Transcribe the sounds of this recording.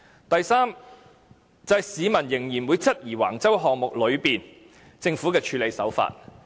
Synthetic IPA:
t̪ɐ˨jsaː˥m | t͡sɐ˨˧ɐ˨jsiː˨˧mɐ˨˩njɪ˨˩ŋjiː˨˩nwuː˨˧jt͡sʰɐ˥t̚jiː˨˩wa̰ː˨˩ŋt͡sɐ˥wɦɔː˨˧ŋ̚mʊ˨k̚lɵ˨˧ɥpiː˨n | t͡sɪ˧ŋfuː˨˥kɛː˧t͡ʃʰyː˨˥le˨˧jsɐ̰˨˥wfa̰ː˧t̚

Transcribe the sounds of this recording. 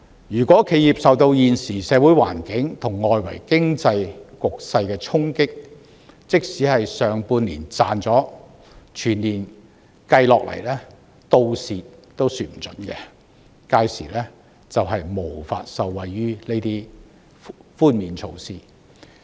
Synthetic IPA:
jyː˨˩kʷɔː˨˥kʰe˨˧˥jiː˨˩p̚sɐ˨wt̪o˧wjiː˨nsiː˨˩sɛː˨˧wuː˨˥jwa̰ː˨˩nkɪ˨˥ŋt̪ʰʊ˨˩ŋːɔː˨jwɐ˨˩jkɪ˥ŋt͡sɐ˧jkʊ˨k̚sɐ˧jkɛː˧t͡sʰʊ˥ŋkɪ˥k̚ | t͡sɪ˥k̚siː˨˥hɐ˨jsœː˨ŋpuː˧nliː˨˩nt͡saː˨nt͡sɔː˨˥ | t͡ʃʰyː˨˩nliː˨˩n | kɐ˧jlɔː˨k̚lɐ̰˨˩jlɛː˥ | t̪o˧wsiː˨t̚t̪o˥wsyː˨˧t̚m̩˨˩t͡sɵ̰˨˥nkɛ̰˧ | kaː˧jsḭː˨˩lɛː˥ | t͡sɐ˨wɐ˨jmo˨˩wfa̰ː˧t̚sɐ˨wːɐ˨jɥyː˥ne˥jt̪iː˥ | fuː˥nmiː˨nt͡ʃʰo˧wsiː˥

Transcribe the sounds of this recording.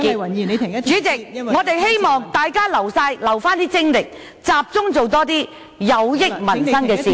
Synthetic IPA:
i˨t͡ʃyː˨˥t͡sɪ˨k̚ŋɔː˨˧t̪e˨jɦe˥jmɔː˨˩ŋt̪aː˨jkaː˥lɐ˨˩wsaː˧jlɐ˨˩wfaː˥nt̪iː˥t͡sɪ˥ŋlɪ˨k̚ | t͡saː˨p̚t͡sʊ˥ŋt͡so˨wt̪ɔː˥t̪iː˥ | jɐ˨˧wjɪ˥k̚mɐ˨˩nssɐ˥nkɛː˧siː˨

